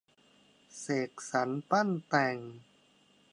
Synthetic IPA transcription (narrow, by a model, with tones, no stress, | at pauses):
seː˨˩k̚sa˩˦˥npa˥˩nt̪ɛː˨˧˩ŋ